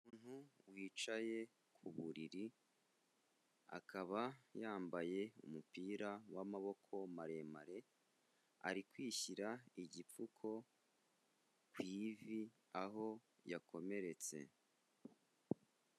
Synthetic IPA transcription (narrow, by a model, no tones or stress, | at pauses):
umuːn̥huwiːt͡ʃaje̞ | kʰuβuɾiɾi | a̰kʰaβajaːmbaje̞ṵmupiːɾawamaβo̞kʰo̞maɾe̞ma̰ɾe̞ | a̰ɾikwiːçiɾaiɟip͡fukʰo̞ | kwiːvi | aɦo̞ | jako̞me̞ɾe̞t͡se̞̰